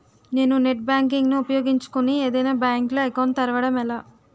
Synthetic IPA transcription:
ne̞ːnune̞ʈ̚baːŋk̬iŋɡnuːpɐjo̞ːɡiɲt͡ʃu̥kunieːd̪ɐjnaːbjaːŋkloːekoːnt̪ɐɾɐʋɐɽɐmɛlaː

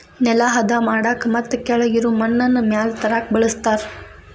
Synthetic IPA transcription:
nɛlaːɦɐd̪aːmaːɽaːkmɐt̪ːkɛɭɐjiɾuːmɐnːɐnːumjaːlt̪ɐɾaːk̚bɐɭɐst̪aːɾ

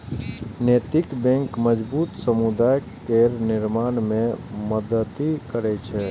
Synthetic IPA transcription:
net̪ɪkbɛ̃ŋkməd͡ʒbut̪səmud̪aj | keɾnɪɾmanmeməd̪ət̪ikəɾɛt͡ʃʰɛ

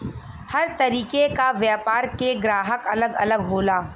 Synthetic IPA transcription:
hɐɾt̪ɐɾiːkekaʋjaːpaːɾkeɡɾaːɦəkɐləɡɐ̰ləɡɦoːlaː

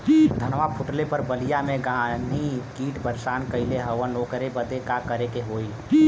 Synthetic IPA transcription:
d̪ʱənʋapʰʊʈlepəɾbəlijamẽɡanikiːʈbəɾʃaːnkəɪleɦəʋənloːkəɾebəd̪ekakəɾekeɦoːi

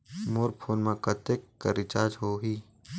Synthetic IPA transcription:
moːɾpʰoːnmãkət̪ekːəɾɪt͡ʃaːd͡ʒɦoːɦiː

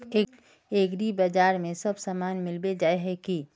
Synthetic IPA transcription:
eː | eːɡɾibad͡ʒaːɾmẽsɐbsaːmaːnmɪlbed͡ʒaːeɦɛki

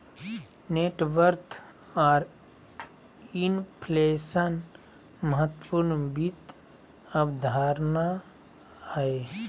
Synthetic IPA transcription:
neʈʋəɾt̪ʰ | ɔːɾ | inpʰlesən | məɦət̪ːpuɾnbit̪ | əbd̪ʱaːɾna | e

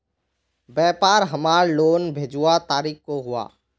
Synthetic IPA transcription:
bɛːpaːɾɦəmaːɾloːnbʱeːd͡ʒuwat̪aːɾiːkkoɦʊa̰ː

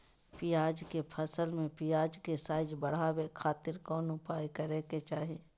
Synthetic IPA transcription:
pɪjaːd͡ʒkepʰəsəlmẽpɪjaːd͡ʒkesaːɪd͡ʒbəɽ̤awekʰaːt̪ɪɾkɔːnʊpaːikəɾeket͡ʃaːɦeː

